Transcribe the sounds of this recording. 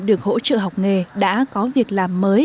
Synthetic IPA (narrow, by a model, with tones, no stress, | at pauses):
ɗɨ˨˩ək̚ɦo̰˧˥t͡ɕə̰ː˧˨ɦa˨˩wk͡p̚ŋe˨˩ɗa̰ː˧˥kɔ˨˦vi˨˩ək̚laː˨˩mːəː˨˦j